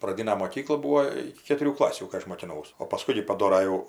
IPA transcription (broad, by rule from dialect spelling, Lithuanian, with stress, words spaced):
prɐˈdʲɪnɐ moːˈkʲiːklˠɐ ˈbuːoː ˈɪkʲɪ kʲɛtʊˈrʲuː ˈklˠɑːsʲuː kɐɪ ˈɐʃ moːkʲɪˈnɐʊs oː pɐˈskʊɪ ɡʲɪ pɐˈdoːrɐ jɛʊ